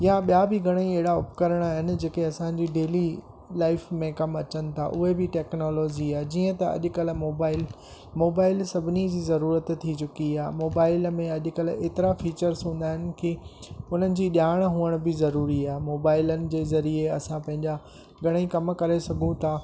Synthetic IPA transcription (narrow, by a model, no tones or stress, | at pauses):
jãɓijabɪɡʱɐɽ̃ĩeɦɪɽaʊpkəɾəɽ̃aɦɪnɪ̆d͡ʑeːkeɐsãɲd͡ʑiɖeːli | laːɪfmẽkɐmɐt͡ɕənɪ̆t̪ʰa̰ʔʊɦebɪʈeːknɔːloːd͡ʑiaɦd͡ʑiːə̃t̪ɐɐ̰ʄʊkəl̤moːbaːɪl | moːbaːɪlsɐbʱɪnid͡ʑiːzɐɾuːɾət̪t̪ʰːit͡ɕʊkiaːmoːbaːɪlmẽɐʄʊ̆kəleːt̪ɪɾafiːt͡ɕəɾsɦũːnd̪aːɦɪnɪ̆kiʊn̤ənɪ̆d͡ʑiːɗjaːɪɽ̃ɦuːəɽ̃bɪzɐɾuːɾiaːɦemoːbaːɪlənɪ̆d͡ʑeːzɐɾieɐsãpɐ̃ɦɪ̃ɲd͡ʑa | ɡʱɐɽ̃ə̃ĩkɐmkɐɾesɐɡʱũt̪ʰaː